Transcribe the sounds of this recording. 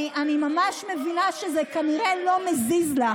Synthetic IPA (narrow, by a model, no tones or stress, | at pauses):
ʔanimamaʃmevinaʃezekaniʁelo̞mezizla